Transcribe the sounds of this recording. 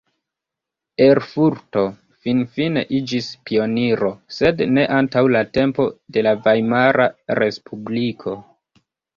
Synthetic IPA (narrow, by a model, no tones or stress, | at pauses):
e̞ɾfuɾto̞ | finfine̞̰ʔid͡ʒispio̞niɾo̞se̞dne̞ʔantawlate̞mpo̞de̞lavajmaɾaɾe̞spʰublikʰo̞